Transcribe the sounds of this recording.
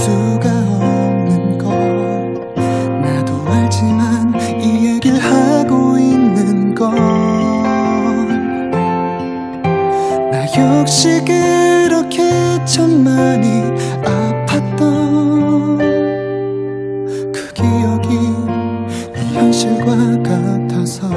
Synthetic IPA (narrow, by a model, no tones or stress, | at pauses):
suɡaʌnɯnɡʌ | nadoaɭt͡ɕiman | ijeɡiɭhaɡoinːɯnɡʌ | naçjʌk̚ɕ͈iɡeɾʌkʰet͡ɕʰʌnmaɲi | apʰat̚t͈ʌ | kɯɡejʌɡi | imʌnɕʰiɭɡwakatʰasʰʌ